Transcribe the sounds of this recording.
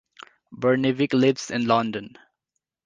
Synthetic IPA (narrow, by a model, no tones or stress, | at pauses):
bəɹnɪʋɪklɪbsɪ̃nlʌ̃ndə̃n